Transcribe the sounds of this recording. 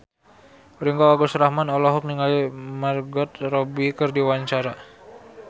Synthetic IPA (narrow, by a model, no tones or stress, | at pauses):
ɾiŋɡaaɡɔsɾahmanɔlɔɦɔk̚niŋalimarɡɔt̪̚rɔbikərdiwaɲt͡ʃaɾa